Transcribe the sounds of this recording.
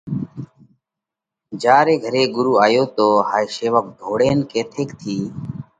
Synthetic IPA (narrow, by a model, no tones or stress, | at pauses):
d͡ʒaːɾeːɡʱəɾeːɡʊɾuːaːjoːt̪oːhaːjseːʋək̚d̪ʱoːɽeːnkeːt̪ʰeːkt̪ʰiː